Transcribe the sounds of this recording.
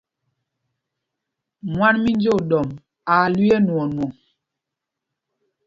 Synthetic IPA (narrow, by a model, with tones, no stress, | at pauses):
mwa˦nmi˦n˦d͡ʒo˦˨dɔ˨m | a˨lwi˦ɛ˦nwɔ˨nwɔ˨ŋ